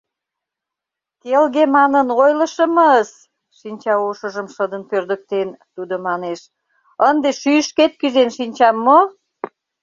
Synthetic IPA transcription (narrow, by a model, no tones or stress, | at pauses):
t̪elɣemɑnənojləʃəməz | ʃinʲt͡ɕɑuʃə̆ʒəmʃəd̪ənpørd̪ə̆k̚t̪ent̪ud̪omɑneʃ | ənd̪eʃyʃket̪̚kyzenʃinʲt͡ɕɑmːo